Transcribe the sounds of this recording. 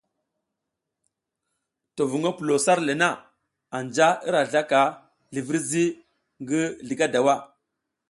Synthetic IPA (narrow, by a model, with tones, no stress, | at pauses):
to˨vu˨ŋɡa˦pu˨lo˨sa˦ɾle˨na˦˨ | a˨nd͡ʒa˦i˦ɾa˨ɮa˦ka˨ | ɮi˨vi˦ɾzi˦ | ŋɡi˦ɮi˨ka˦da˨wa˦˨